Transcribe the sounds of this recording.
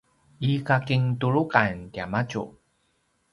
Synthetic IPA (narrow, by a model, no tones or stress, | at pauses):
ʔikakiŋtuɾukantiamat͡ɕṵ